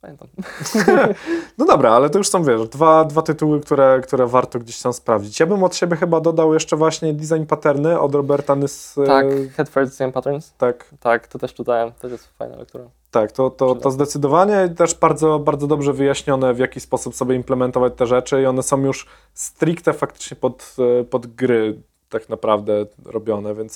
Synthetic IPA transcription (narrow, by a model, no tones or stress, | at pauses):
pamʲɛnt̪am | nɔd̪ɔbɾaalɛt̪ɔjuʂsɔ̃w̃vʲjɛʂd̪vad̪vat̪ɘt̪uwɘkt̪uɾɛkt̪uɾɛvaɾt̪ɔɡd͡ʑeɕt̪amspɾavd͡ʑit͡ɕjabɘmɔt̪ɕebʲjɛxɘbad̪ɔd̪awjɛʂt͡ʂɛvwaɕɲɛd̪ʲizajnpat̪ɛɾnɘʔɔ̰d̪ɾɔbɛɾt̪ansaxɛt̪fɛɾd̪ʲizajnpat̪ɛɾnst̪akt̪akt̪ɔt̪ɛʂt̪ut̪ajt̪ɛjɛsfa̰jna̰lɛ̰kt̪uɾa | t̪akt̪ɔt̪ɔɔzd̪ɛt̪sɘd̪ɔvaɲɛt̪ɛʐbaɾd̪zɔbaɾd̪zɔd̪ɔbʐɛvɘjaɕɲɔnɛvʲjakʲispɔsupsɔbʲjɛimplɛmɛnt̪ɔvat͡ɕt̪ɛʐɛt͡ʂɘiɔnɛsɔ̃w̃juʂ | st̪ɾʲikt̪ɛfakt̪ɘ̥t͡ʂɲɛpɔt̪pɔd̪ɡɾɘ | t̪aknapɾavd̪ɛɾɔbʲjɔnɛvʲjɛnt̪s